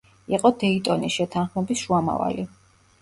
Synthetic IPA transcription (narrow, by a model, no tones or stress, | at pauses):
iqʼɔd̪ɛit̪ʼɔnisʃɛt̪ʰanχmɛbisʃuama̰va̰li